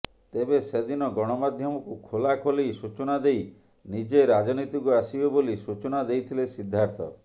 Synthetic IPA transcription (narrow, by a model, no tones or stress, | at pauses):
t̪ebesed̪inɔɡɔɽ̃ɔmad̪ʱjɔmɔkukʰolakʰolejsut͡ʃɔñad̪ej | nid͡ʒeɾad͡ʒɔnit̪ikuasibebolisut͡ʃɔnad̪ejt̪ʰilesid̪ʱːaɾt̪ʰɔ̰